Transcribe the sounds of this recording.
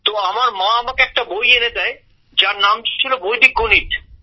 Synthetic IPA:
t̪oamaɾmãɐmãkeɛk̚ʈabʱojeɾed̪ae | d͡ʑaɾnamt͡ɕt͡ɕʰilobʱojd̪ikːoniʈ

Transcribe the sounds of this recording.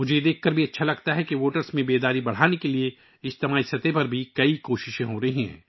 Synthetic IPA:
mʊd͡ʒʱed̪eːkʰkɐɾbʱiɐtːʃʰalɐɡt̪aɦɛkiʋoːʈəɾsmẽbeːd̪aːɾibɐɽ̤aːnekelie | ɪst̪ɐmaːisɐt̪epɐɾbʱikɐikoːʃɪʃẽɦoɾɐɦiɦɛ̰̃ː

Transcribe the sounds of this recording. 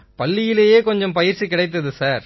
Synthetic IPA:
pɐlːɪjɪleːjeːkɔɲd͡ʒɐmpɐjɪɾt͡ʃːikːɪɽɐɪt̪̬ːɐðɯsaːɾ

